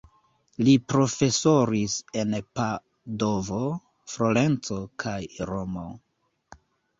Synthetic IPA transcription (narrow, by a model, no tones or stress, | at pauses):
lipɾo̞fe̞so̞ɾise̞npa | do̞vo̞ | fɾole̞nt͡so̞kʰajɾo̞mo̰